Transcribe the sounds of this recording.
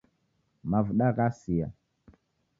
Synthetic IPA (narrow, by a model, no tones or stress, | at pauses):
mavuɗakasija̰